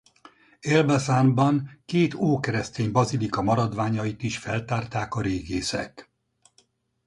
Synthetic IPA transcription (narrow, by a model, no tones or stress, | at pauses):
elbɛzanbɒŋkeːt̪oːkɛɾɛst̪eːmbɒzilikɒmɒɾɒd̪ʋaːɲɒjit̪iʃfɛlt̪aːrt̪aːkɒɾeːɡeːsɛ̰k